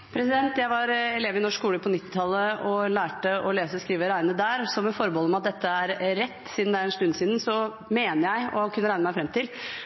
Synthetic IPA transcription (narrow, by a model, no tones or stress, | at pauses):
pʰɾɛsɪd̪ɛnt̪jæɪʋɑɾɛleːʋɪnɔʂkuːləpʰɔnɪt̪ːɪ̥t̪ʰɑlːəɔlæːʈəɔleːsəskɾiːʋəɾæɪnəd̪æːɾsɔmːɛfɔɾbɔːlɔmɑt̪̚d̪ɛt̪ʰːəæɾːɛt̪ːsiːd̪nd̪æɾɛnst̪ʉnːsiːd̪n̩sɔ | meːnəɾjæɪɔ̰kʰʉnːəɾæɪnəmæɪfɾɛmt̪ʰɪl